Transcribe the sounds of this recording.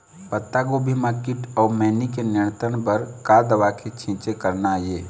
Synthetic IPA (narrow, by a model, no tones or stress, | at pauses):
pət̪ːaɡobʱimãkɪʈɔːɾmɛːnikenɪɳ̃t̪ənbəɾkad̪əʋakʰet͡ʃʰĩːt͡ʃekəɾnaje